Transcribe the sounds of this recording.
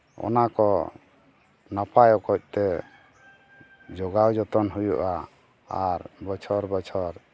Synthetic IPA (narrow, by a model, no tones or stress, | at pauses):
ɔ̰nakɔ | napajɔkɔc̚ˀt̪ɛ | d͡ʒɔɡawd͡ʒɔt̪ɔnɦujṵʔa | aɾbɔt͡ʃʰɔɾbɔt͡ʃʰɔɾ